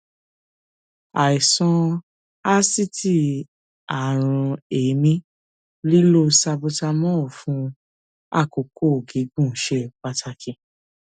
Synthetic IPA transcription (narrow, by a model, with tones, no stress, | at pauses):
a˨i˨sɔ̃˧ | a˦si˦ti˦ | a˨ɾ̃ũ˧e˨mĩ˦ | li˦lo˧sa˧bo˧ta˧mɔ̃˦˨fũ˨˦ | a̰˦˨ko˨ko˦˨ɡi˨˦ɡ͡bũ˦˨˦ʃe˦˧˨k͡pa˧tʰa˧kʰĩ˨